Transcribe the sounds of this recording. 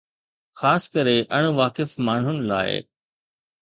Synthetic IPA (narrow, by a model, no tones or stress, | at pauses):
xaːskɐɾeʔɐɽ̃ʊʋaːkɪfmaːɳ̤ʊnɪ̆la̰ːɪ̰